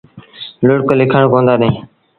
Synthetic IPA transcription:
lʊɽklɪkʰəɳkõːnd̪aːɗ̪ẽː

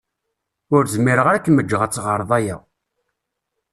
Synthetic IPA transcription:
ʊɾzmiɾəʁɾækːməd͡ʒːəʁət͡sːʁəɾˤðˤæjæ̰

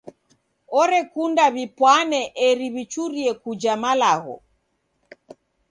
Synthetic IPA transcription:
ɔɾɛkundaβipwanɛʔɛɾiβit͡ʃuɾiɛkud͡ʒamalaɣɔ̰

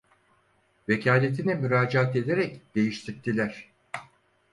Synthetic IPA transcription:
ve̞cʰaːlʲe̞t̪ʰinɛmyɾaːd͡ʒaaat̪e̞d̪eɾɛcd̪̥e̞jiʃt̪ʰiɾt̪ʰːilʲæɾ̝̥

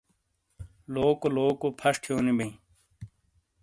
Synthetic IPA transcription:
loːkoloːkopʰɐʂʈʰijoːnibɐĩ

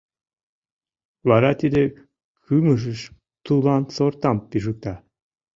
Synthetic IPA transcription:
βɑɾɑt̪id̪ʲĕ | kʰymə̆ʒɘ̆ʃ | t̪ulˠɑnsort̪ɑmpiʒɯk̚t̪ɑ

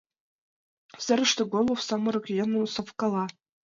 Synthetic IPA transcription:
sʲɘ̆ɾʲɘ̆ʂt̪ɘ̆ɡolˠowsɑmɤ̆ɾɤ̆kjɤ̆nɤ̆nsofkɑlˠɑ

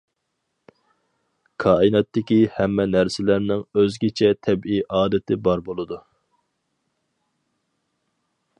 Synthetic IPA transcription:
kʰɑːinɑt̪ːɪkʲihɛmːɛnæɾsɪlæɾnɪŋøzɡʲɪt͡ʃʰɛt̪ʰɛbiʔɑːd̪ɪt̪ʰɪbɑɾbolˠɨd̪u

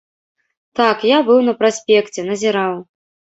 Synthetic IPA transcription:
t̪akjabɨwnɐpɾasʲpʲɛkt͡sʲɛnɐzʲɛɾaw

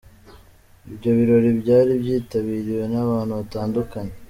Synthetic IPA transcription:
ibɟo̞βiɾo̞ɾibɟaːɾibɟiːtaβiːɾiwe̞naβaːnhuβataːndukaɲe

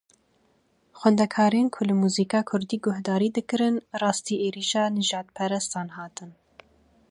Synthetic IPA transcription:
xʷwɛnd̪ɛkʰɑːɾenkʰʊlɨmuziːkɑːkʰʊɾd̪iːɡʊhd̪ɑːɾiːd̪ɨkɨɾɨnrɑːst̪iːʔeːɾiːʃɑːnɨʒɑːd̪̚pʰɛɾɛst̪ɑːnhɑːt̪ɨn

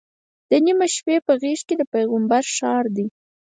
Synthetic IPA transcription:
d̪̥ənimaʃpepəɣeʃked̪əpejɣəmbaɾʃɑɾd̪i

